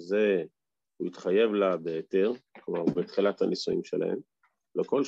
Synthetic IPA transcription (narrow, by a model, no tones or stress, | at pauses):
ze̞ | huitχaje̞vlabeːte̞ʁklomaʁbet̪χilathanisuḭmʃela̰he̞̰m | leko̞l